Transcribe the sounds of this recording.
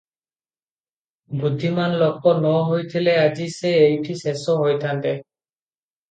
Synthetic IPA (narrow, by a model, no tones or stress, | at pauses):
bud̪ʱːimanlɔk̚pɔnɔɦojt̪ʰilɛad͡ʒisɛejʈʰisesɔɦojt̪ʰant̪ɛ